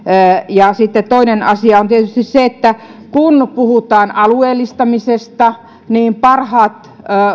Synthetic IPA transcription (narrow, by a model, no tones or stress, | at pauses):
jɑsit̪ːet̪t̪oinenɑsiɑont̪iet̪yst̪isseet̪ːækunpuhut̪ɑːnʔɑlueːlːˑist̪ɑmisest̪ɑ | niːmpɑrhɑːt̪ː